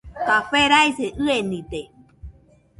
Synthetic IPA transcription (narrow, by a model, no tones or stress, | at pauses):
k̪apeɾaiseʔɨenit̪e